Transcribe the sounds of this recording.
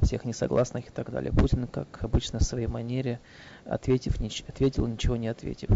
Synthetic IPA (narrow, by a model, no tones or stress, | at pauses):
fsʲe̞xnʲɪsɐ̰ɡlˠasnɨxɪ̥t̪aɡd̪a̰lʲɪ̰jəputʲɪnkakɐbɨt͡ɕnəfsvɐjejmɐnʲeɾʲɪ | ɐ̰t̪vʲetʲɪfnʲɪɐt̪vʲetʲɪlˠnʲɪt͡ɕɪvo̞nʲɪɐt̪vʲḛtʲɪf